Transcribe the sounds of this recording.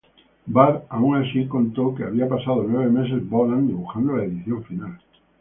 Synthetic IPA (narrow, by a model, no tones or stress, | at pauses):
baɾauŋasikõ̞nt̪okeaβiapasað̞onwe̞βe̞me̞s̬e̞zboland̪iβuxand̪olaeðiθjõ̞ɱfinal